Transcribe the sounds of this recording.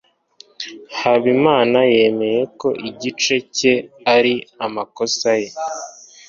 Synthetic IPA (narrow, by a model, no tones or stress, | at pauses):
haβimaːnaje̞me̞je̞ko̞ʔiɟit͡ʃe̞ce̞aɾiamako̞saje̞